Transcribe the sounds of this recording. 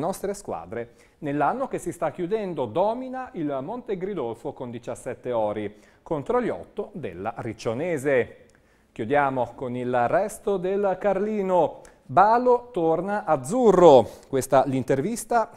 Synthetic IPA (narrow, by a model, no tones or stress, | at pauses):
nɔst̪ɾeskwa̰ːd̪ɾe | nelːanːok̟esːist̪akːjud̪ɛnd̪od̪ɔːminailmont̪eɡɾid̪ɔlfokond̪it͡ʃasːɛt̪ːeɔːɾi | kont̪ɾoljɔ̰t̪ːod̪ḛlːa̰rit͡ʃːoneːze | k̟jud̪jaːmokonilrːɛst̪od̪elkarliːno | baːlot̪ornaʔad̪zːurːokwest̪alint̪ervist̪a